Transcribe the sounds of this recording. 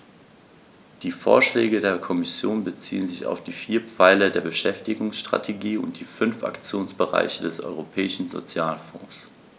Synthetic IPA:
d̥iːfo̰ːɐʃlɛːɡədeːɐkʰɔmɪsjoːnbət͡sḭːənzɪça̰ʊfd̥iːfiːɐpp͡faɪlədeːɐbəʃɛftɪɡʊŋsʃtʁ̥a̰tʰeɡiːʊ̰nt̚d̥iːfʏnfʔa̰kt͡sjoːnsb̥əʁa̰ɪçədɛsʔɔ̰ʏʁopʰɛːɪʃn̩zo̰t͡sjaːlfɔ̰̃ːs

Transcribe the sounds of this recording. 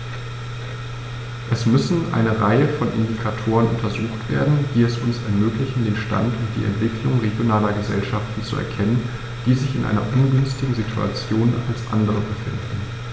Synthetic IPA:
ʔɛsmʏsn̩ʔa̰ɪnəʁaɪəfɔnʔɪ̰ndikʰatʰoːʁ̞ənʔʊntʰɐzuːxtv̥ḛːɐdn̩d̥iːɛsʊnsɛɐmøːklɪçn̩deːnʃta̰ntʊmd̥ḭːɛ̰ntv̥ɪklʊŋʁeɡjonaːlɐɡəzɛ̰lʃaftn̩t͡suʔɛ̰ɐkʰɛnən | d̥iːzɪçɪ̰nʔa̰ɪnɐ̰ʔʊnɡʏnstɪɡŋ̩zitʰua̰t͡sjoːnalsʔa̰ndəʁ̞əbəfɪ̰ndn̩

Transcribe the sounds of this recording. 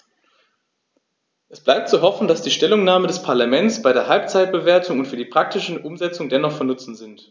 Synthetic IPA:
ʔɛsb̥laɪp̚tt͡suɦɔfn̩d̥asd̥iːʃtɛlʊŋnaːmədɛspʰaɐlamɛnt͡sb̥aɪɾeːɐɦalpt͡saɪt̚b̥əveːɐtʰʊŋʊntfyːɐdiːpʁ̥ak̚tɪʃnʔʊmzɛt͡sʊŋdɛnɔχfɔɐnʊt͡sn̩zɪnt

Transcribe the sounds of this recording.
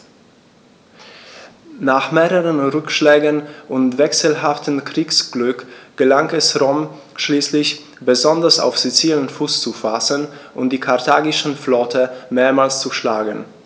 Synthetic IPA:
naːχmeːʁəʁənʁʏkʃlɛːɡənʔʊntv̥ɛksəl̩ɦaftəmkʁ̥iːksɡ̥lʏkɡ̥əlaŋɛsʁɔm | ʃliːslɪç | b̥əzɔndɐsa̰ʊfz̥it͡siːlənfuːst͡sufasənʔʊnt̚d̥iːkʰaɐtʰaːɡɪʃn̩flɔtʰəmeːɐmaːlst͡suʃlaːɡən̩

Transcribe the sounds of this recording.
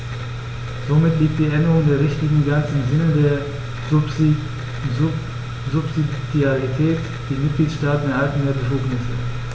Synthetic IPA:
z̥omɪtliːk̚td̥iːʔɛndəʁʊŋdeːɐʁɪçtɪɡŋ̩ɡat͡sɪmzɪnədeːɐ | zʊpz̥idjaʁitʰɛːt | d̥iːmɪt̚ɡ̥liːtʃtaːtn̩eɐhaltn̩deːɐbəfuːknɪsə̰

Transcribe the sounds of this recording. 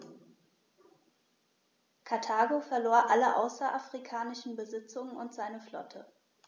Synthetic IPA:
kʰaɐtʰaːɡofɛɐloːɐʔaləʔa̰ʊsɐʔafʁ̥ikʰaːnɪʃn̩bəzɪt͡sʊŋənʊntz̥aɪnəflɔ̰tʰə

